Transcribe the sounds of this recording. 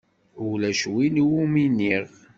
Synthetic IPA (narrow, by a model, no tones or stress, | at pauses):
ʊlæʃwiniwuminiʁ